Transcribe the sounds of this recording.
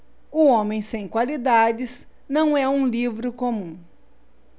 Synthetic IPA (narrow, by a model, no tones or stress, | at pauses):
ʊõmẽj̃sẽj̃kwalid̪ad͡ʒɪz | nɐ̃w̃ɛũlivɾʊkomũ